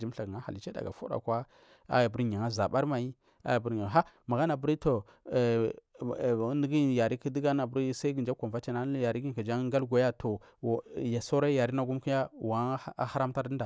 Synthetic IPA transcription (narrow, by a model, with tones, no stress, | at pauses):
d͡ʒi˦m˦ɬa˨ɡə˨ŋa˦ha˨li˦t͡ʃe˦da̰˨ɡa̰˨fo̰˦ɾa̰˨kʷa˦ | a̰˦ja˨bɾɲa˨ŋa˦za˨ba˦ɾma˨i˦ | a̰˦ja˨bə˦ɾɲa˨a˦ma˨ɡa˦na˨bu˦ɾi˦to˨˦ | nə˦ɡi˦˨ja˨ɾi˦ki˦di˦ɡa˦na˨bɾi˦sa˦i˦ɡə˨nd͡ʒa˦kʷa˨mva˦t͡ʃa˦na˦ja˨ɾi˦ɡi˦˨ka˨d͡ʒa˦ŋ˦ɡa˦lɡʷa˨ja˦tʰo˨ | ja˨so˦ɾa˦ja˨ɾi˦na˦ɡu˦mki˦ja˦wa˨˦a˦ha˦ɾa˦mta˦ɾdə˦n˦da˨